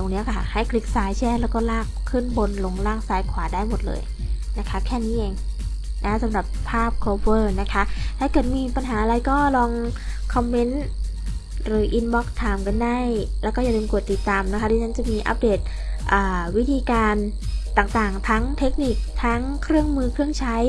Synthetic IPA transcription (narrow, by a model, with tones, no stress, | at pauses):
doː˨˩ŋni˦˥ɐkʰa˧˩˧ha˥˩jkʰli˦˥k̚saː˨˦jt͡ɕʰɛ˥˩˨lɛː˧˦˥wkɔː˥˩laː˥˩k̚ʰːɯː˥˩˨nbo˧nlo˧ŋlaː˥˩ŋsaː˨˦jkʰwaː˨˩˦daː˥˩jmo˨˩t̪̚lɤ̰ː˧j | na˦˥kʰa˦˥kʰɛː˥˩niː˦˥ʔeː˧ŋ | na˦˥sa˨˩˦mɾa˨˩pʰːaː˥˩p̚kʰoː˧fɤː˧˥˩na˦˥kʰa˦˥ʔt̪ʰaː˥˩kɤː˨˩t̪̚miː˧pa˧nɦaː˩˦ʔa˧ɾa˧jkɔː˥˩lɔː˧ŋ | kʰɔ˧mːe˦˥n | ɾɯː˩˦ʔi˧nbɔ˦˥k̚t̪ʰaː˨˩˦mka˧nda˥˩j | lɛː˦˥wkɔː˥˩ja˨˩deː˧mku˨˩ət̪ːi˨˩t̪ːaː˧mna˦˥kʰa˦˥doː˧t͡ɕʰa˦˥nt͡ɕa˨˩miː˧ʔa̰˦˥p̚deː˨˩t̪̚ | ʔaː˨˩wi˦˥t̪ʰiː˧kaː˧n | t̪aː˨˩ŋt̪aː˨˩ŋt̪ʰa˦˥ŋt̪ʰe˦˥k̚ni˨˩k̚t̪ʰa˦˥ŋkʰɾɯ˥˩əŋmɯː˧kʰɾɯ˥˩əŋt͡ɕʰa˦˥j